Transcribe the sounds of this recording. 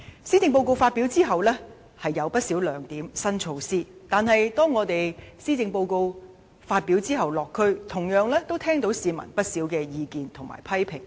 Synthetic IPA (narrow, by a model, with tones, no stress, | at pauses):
siː˥t͡sɪ˧ŋp̬o˧wko˧wfaː˧t̚pi˨˥wt͡siː˥ɦɐ˨wlɛː˥ | hɐ˨jːɐ˨˧wpɐ˥t̚siː˨˥wlœː˨˩ŋt̪iː˨˥msɐ˥nt͡ʃʰo˧wsiː˥t̪aː˨nhɐ˨jt̪ɔː˥ŋːɔː˨˧t̪e˨jsiː˥t͡sɪ˧ŋpo˧wko˧w | faː˧t̚pi˨˥wt͡siː˥ɦɐ˨wlɔː˨kʰːɵ˧ɥt̪ʰʊ˨˩ŋjœː˨˧ŋlɛː˥t̪o˥wt̪ʰɛː˥ŋt̪o˨˧˥wsiː˨˧mɐ̰˨˩npɐ˥t̚siː˨˥wkɛː˧jiː˨˧kiː˨˧nt̪ʰʊ˨˩ŋma̰ː˨˩jpʰɐ˥jpʰɪ˨˩ŋ